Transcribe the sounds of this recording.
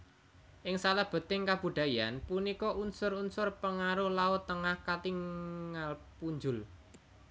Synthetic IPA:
ʔɪŋsalahb̥ə̤t̪ɪŋkab̥ṳɖ̪̥ä̤ja̰npunikɔʔunsʊrunsʊrpəŋaɾʊhlaʊt̪ːəŋahkat̪iŋːalpuɲd͡ʒʊl

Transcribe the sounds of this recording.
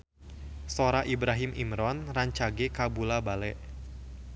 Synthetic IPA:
soɾaʔibɾaɦimḭmɾɔnraɲt͡ʃaɡekabulabalɛʔ

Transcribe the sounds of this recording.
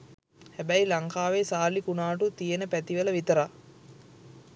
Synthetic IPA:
hæbæilaŋkaːʋesaːlikunaːʈut̪ijenəpæt̪iʋələʋit̪əɾa

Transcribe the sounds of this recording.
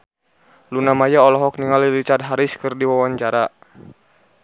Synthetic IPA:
lunamajaɔlɔɦɔk̚niŋalilit͡ʃardɦaɾiskɨrdiwawaɲt͡ʃaɾa

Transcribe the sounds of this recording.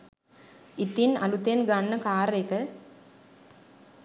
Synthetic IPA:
it̪ːinɐ̰lut̪ːenɡanːɐkaːɾekɐ

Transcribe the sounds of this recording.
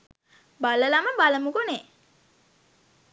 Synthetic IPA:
baləlaməbaləmukone

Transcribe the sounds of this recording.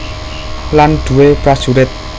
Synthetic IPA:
land̪̥uwepɾḁsuɾɪt̪̚

